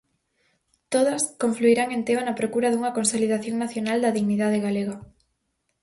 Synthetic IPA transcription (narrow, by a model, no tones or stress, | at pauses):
t̪oðɐskoɱfluiɾaŋent̪eanɐpɾokuɾɐðuŋɐkonsoliðaθjoŋnaθjonald̪ɐðiɣniðað̞eɣaleɣa